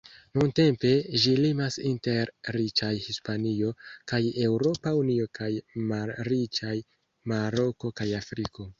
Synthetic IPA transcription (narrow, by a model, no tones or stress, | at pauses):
nunte̞mpe̞ʒilimasinte̞ɾːit͡ʃajhispanio̞kaje̞wɾo̞paunio̞kʰajmalɾit͡ʃaj | maɾo̞ko̞kajafɾiko̞